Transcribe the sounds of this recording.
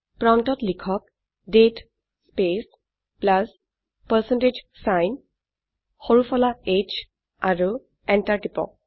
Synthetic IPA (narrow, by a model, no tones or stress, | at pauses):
pɹɔntɔtlikʰɔk̚ | det | spes | plas | pəɹsɛnted͡ʒ | sajn | xoɹufʰɔlaet͡ʃ | aɹu | ɛntaɹtipɔ̰